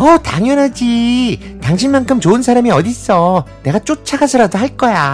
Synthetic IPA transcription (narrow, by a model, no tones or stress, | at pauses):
ʌta̰ŋjʌnɦad͡ʑi | taŋɕʰinmankʰɯmt͡ɕoɯnsʰaɾamiʌdis͈ʌne̞ɡat͡ɕ͈ot͡ɕʰaɡasʰɯɾadoɦaɭk͈ʌja